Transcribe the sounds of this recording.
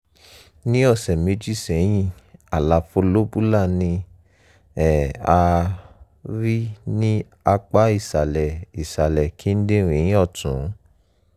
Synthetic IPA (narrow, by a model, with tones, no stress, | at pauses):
nĩ˦ɔ˦˨sɛ˨me˨˧˦d͡ʒi˦˨sɛ̃˨˦j̃ĩ˦˨a˨la˨˧fo˧lo˦bu˦la˦˨nĩ˧ | ɛ˨a˧ | ɾi˦nĩ˦ | a˧k͡pa˦i˦˨sa˨lɛ˨i˨sa˨lɛ˨kʰi˦n̩˦dẽ˦˨ɾ̃ĩ˨˦j̃ĩ˦ɔ˦˨tũ˨˦